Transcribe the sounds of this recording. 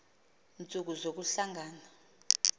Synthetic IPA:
nt͡sʼuk̬uzok̬uɬaŋɡaːna

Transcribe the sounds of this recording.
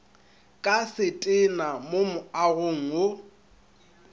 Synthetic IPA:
kʼasɪtʼɪnamomʊaɣʊŋ̩o

